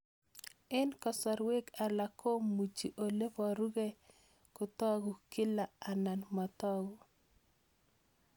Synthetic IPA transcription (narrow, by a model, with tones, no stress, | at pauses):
ɛ˦nkɔ˨sɔ˨ɾwe˦ka˨la˨kʰo˦mu˨t͡ʃi˨ʔo˨le˦vɔ˨ɾu˦ɡe˦ | kʊ˨t̪ɔ˦ɡʊ˨ki˦la˨a˨na˨nma˨t̪ɔ˦ɡu˨